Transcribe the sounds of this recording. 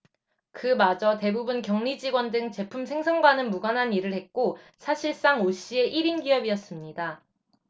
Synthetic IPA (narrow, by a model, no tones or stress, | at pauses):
kɯmad͡ʑʌte̞bubunkjʌŋɲid͡ʑiɡwʌndɯŋt͡ɕe̞pʰumsʰe̞ŋsʰʌŋɡwanɯnmuɡanɦaniɾɯɭhek̚k͈o | sʰaɕʰiɭs͈aŋoɕ͈ie̞ʔiɾinɡiʌbiʌs͈ɯmɲida